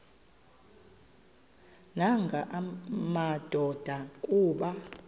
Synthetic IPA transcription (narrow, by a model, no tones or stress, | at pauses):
naŋɡʱaʔmad̥ʱɔd̥ʱakʼuːɓa